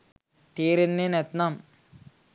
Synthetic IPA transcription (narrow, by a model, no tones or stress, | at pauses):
t̪eːɾenːenet̪nam